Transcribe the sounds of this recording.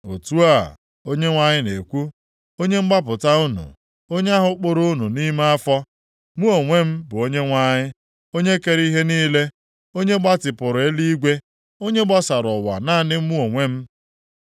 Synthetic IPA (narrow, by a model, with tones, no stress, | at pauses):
o̰˨tu˦a˦˨ | o˦ɲe˦ŋʷa˦ɲɪ˦ne˨kʷu˦ | o˦ɲe˦ŋ͡m̩˦ɡ͡ba˦pʊ˨ta˦u˦nṵ˨ | o˦ɲe˦a˦ɦʊ˦k͡pʊ˨ɾo˦nu˨ni˦ma˦a˦fɔ˦ | mu˦o˨ŋʷe˦m̩˦bʊ˨o˦ɲe˦ŋʷa˦ɲɪ˦ | o˦ɲe˦ke˨ɾi˦ɦe˦niː˦le˦ | o˦ɲe˦ɡ͡ba˦tɪ˨pʊ˨ɾe˦li˦ɡʷe˦ | o˦ɲe˦ɡ͡ba˦sa˨ɾʊ˨wa̰˨na˦˨nɪ˦m̩˦mu˦o˨ŋʷe˦m̩˦